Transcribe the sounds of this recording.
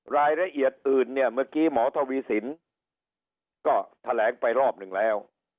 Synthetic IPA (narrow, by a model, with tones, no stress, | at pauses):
ɾaː˧jɾa˧ʔi˨˩ət̪̚ʔɯː˨˩nːi˥˩əmɯ˥˩əkiː˦˥˩mɔː˩˦t̪ʰa˧wiː˧si˩˦n | kɔː˥˩t̪ʰa˧lɛː˩˦ŋpa˧jɾɔː˥˩p̚nɯ˨˩ŋlɛː˦˥w